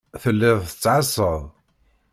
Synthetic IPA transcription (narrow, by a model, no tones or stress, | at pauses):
θəlːɪðˤθə̥t͡sːʕasˤəðˤ